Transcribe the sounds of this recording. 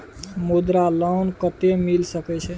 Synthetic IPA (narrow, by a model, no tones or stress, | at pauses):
mud̪ɾalɔwnkət̪emilsəkɛt͡ʃʰɛ